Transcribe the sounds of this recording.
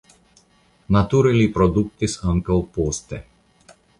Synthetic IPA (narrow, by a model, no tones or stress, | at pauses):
nat̪uɾɛlipɾɔd̪uk̚t̪isəŋkəlˠpɔst̪ɛ